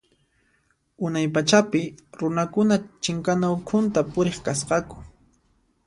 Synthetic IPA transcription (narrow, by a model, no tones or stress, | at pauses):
ʊnajpat͡ʃapɪɾʊnakʊnat͡ʃɪŋkanaʊkʰʊnt̪apʊɾeχkasqɑkʊ̥